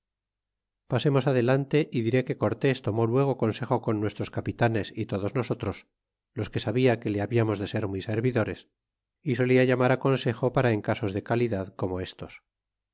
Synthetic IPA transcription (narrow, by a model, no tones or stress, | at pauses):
pase̞mo̞saðe̞lant̪e̞ʔiðiɾe̞ke̞ko̞ɾt̪e̞st̪o̞mo̞lweɣ̞o̞ko̞nse̞xo̞ko̞nːwe̞st̪ɾo̞skapit̪ane̞sit̪o̞ðo̞zno̞so̞t̪ɾo̞s | lo̞ske̞saβiake̞leaβiamo̞zðe̞se̞ɾmwise̞ɾβiðo̞ɾe̞s | iso̞liaʝamaɾako̞nse̞xopaɾaeŋkaso̞zðe̞kaliðaðko̞mo̞e̞st̪o̞s